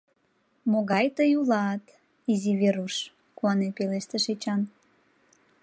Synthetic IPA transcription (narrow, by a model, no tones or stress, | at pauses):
moɣɑjt̪əjulɑt̪ | iziβeɾuʃ | kuɑnepeleʃt̪eʃet͡ɕɑn